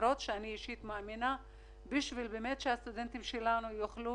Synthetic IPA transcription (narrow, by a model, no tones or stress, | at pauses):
ɾot̪ʃeaniiʃit̪moamina | biʃvilbemet̪ʃehast̪ud̪ent̪imʃelanujoχlu